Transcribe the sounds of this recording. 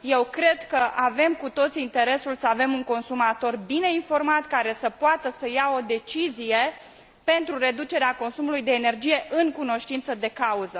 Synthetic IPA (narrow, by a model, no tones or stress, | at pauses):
je̞wkɾe̞d̪kəʔave̞mkut̪o̞t̪siint̪e̞ɾe̞sulsəave̞muŋko̞nsumat̪o̞rbine̞info̞rmat̪kaɾe̞səpoat̪əsəjao̞d̪e̞t͡ʃizije̞ | pe̞nt̪ɾuɾe̞d̪ut͡ʃe̞ɾeako̞nsumulujd̪e̞ːne̞rd͡ʒije̞ʔɨŋkuno̞ʃt̪int̪səd̪e̞kauzə